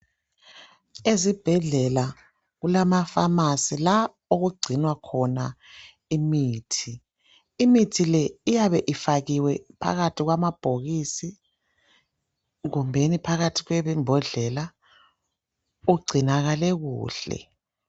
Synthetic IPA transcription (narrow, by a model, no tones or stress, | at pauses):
ezib̥ʱɛɮɛla | ɣulamafamasila | oɣuɡ͡ǀʱinwakʰɔna | imiːtʰiː | mitʰilɛijaβɛʔifaɣiwɛpʰa̰ɣatʰiɣwamab̥ʱoɣisi | ɣumbʱenipʰaɣatʰiɣwɛβɛmbʱɔɮɛla | uɡ͡ǀʱinaɣalɛɣṵːɬɛ̰